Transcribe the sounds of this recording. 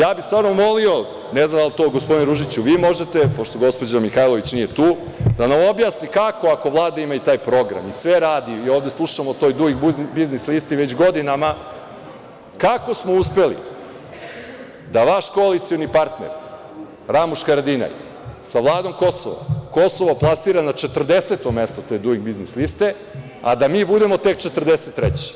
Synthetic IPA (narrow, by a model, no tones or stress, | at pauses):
jaːbixst̪vaːɾnomo̞lio̞ | neznamd̪alt̪o̞ɡospod̪inɾuʒit͡ɕuʋiːmo̞ʒet̪e̞poʃt̪o̞ɡo̞spo̞d͡ʑamixajlˠo̞ʋit͡ɕnije̞t̪uː | d̪anamo̞bjaːsnikako̞ako̞ʋlˠaːd̪aimajut̪aːjpɾo̞ɡɾa̰misʋe̞ɾaːd̪iio̞ːʋd̪eslˠuʃamot̪o̞jd̪uɡixbiznislist̪iʋe̞t͡ɕɡo̞d̪inama | kako̞smo̞uspe̞lḭ | d̪aʋaʃko̞alit̪sijo̞nipaɾt̪nḛɾ | ɾamuʃkaɾad̪ina̰j | saʋlˠaːd̪o̞mko̞so̰ʋo̰ko̞so̞ʋoplˠasiːɾanat͡ʃe̞t̪r̩d̪e̞set̪o̞me̞st̪ot̪e̞ːd̪uɡiɡbiznislist̪e̞ | a̰d̪amiːbud̪e̞mo̞t̪e̞k̚t͡ʃet̪rd̪eset̪ːɾet͡ɕe̥